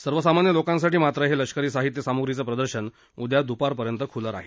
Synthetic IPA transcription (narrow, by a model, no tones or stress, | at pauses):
səɾʋəsamanjəlokãns̬aʈiːmat̪ɾəɦeləɕkəɾiːsaɦit̪jəsamuɡɾit͡səpɾəd̪əɾɕən | ud̪jad̪upaɾpəɾjənt̪əkʰuləɾa̰ɦe